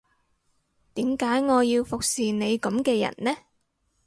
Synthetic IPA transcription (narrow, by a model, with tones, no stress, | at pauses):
t̪iː˨˥mkaː˨˥jŋɔː˨˧jiː˧wfʊ˨k̚siː˨ne˨˧jkɐ˨˥mkɛː˧jɐ̰˨˩nlɛː˥